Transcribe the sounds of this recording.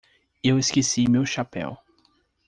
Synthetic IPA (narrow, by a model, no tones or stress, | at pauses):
eweskesimewʃapɛ̰w